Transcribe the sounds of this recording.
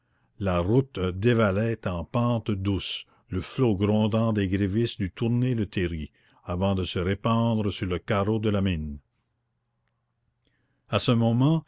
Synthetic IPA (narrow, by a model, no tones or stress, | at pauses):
laʁut̪d̪evalɛt̪ɑ̃pɑ̃ːt̪d̪us | ləfloɡɾɔ̃d̪ɑ̃d̪eɡʁevisd̪yt̪uʁnelət̪ʰeɾi | avɑ̃d̪əsəʁepɑ̃ːd̪ɾəsyʁləkaɾod̪əlamin | asəmɔmɑ̃